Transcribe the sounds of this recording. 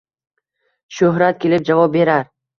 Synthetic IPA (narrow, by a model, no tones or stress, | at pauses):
ʃɵɦɾat̪̚kʲʰe̞lɪp̚d͡ʒavɒp̚be̞ɾaɾ